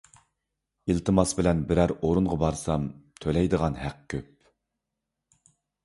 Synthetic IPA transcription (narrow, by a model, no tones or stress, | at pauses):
ilt̪ʰɨmɑsbɪlɛnbɪɾæɾoɾuɴʁɑbɑɾsɑmt̪ʰølɛjd̪əʁɑnɦæq̚kʲʰøp̚